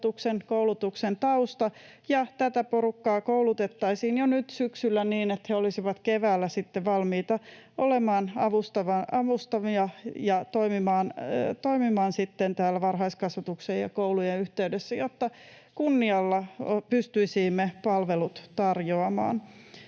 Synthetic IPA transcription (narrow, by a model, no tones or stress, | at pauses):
t̪uksenkoulut̪uksent̪ɑust̪ɑ | jɑt̪æt̪æporukːɑːkoulut̪et̪ːɑisiːnjonyt̪syksylːæniːnet̪heolisiʋɑt̪keʋæːlːæsit̪ːeʋɑlmiːt̪ɑ | olemɑːnɑʋust̪ɑʋɑʔɑʋust̪ɑmiɑjɑt̪oimimɑːnt̪oimimɑːnsit̪ːent̪æːlæʋɑrhɑiskɑsʋɑt̪uksejɑ̰koulujeyht̪eydesːæjot̪ːɑ | kunːiɑlːɑpyst̪yisiːmːepɑlʋelut̪t̪ɑrjoɑmɑ̰ːn